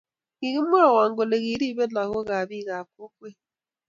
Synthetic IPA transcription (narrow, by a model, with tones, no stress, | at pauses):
ɣi˨ɣi˦m̩˦mʊ˦ɾa˦˨wa˨ŋ̩˨ɡo˨le˨ɣi˨˦ɾi˦be˦na˨ɣʊ˦ɣa˨a˨bi˦ɣa˨a˨kʷo˦kʷe˦